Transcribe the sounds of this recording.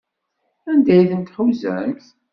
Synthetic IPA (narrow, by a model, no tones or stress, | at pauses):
ænd̪æjθənt̪ħuwzæ̰θ